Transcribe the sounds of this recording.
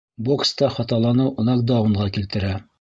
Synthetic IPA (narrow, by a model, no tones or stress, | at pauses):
bo̞kst̪ɑχɑt̪ɑlˠɑnɤwŏnɑk̚d̪ɑuɴʁɑkilt̪ɘ̆ɾæ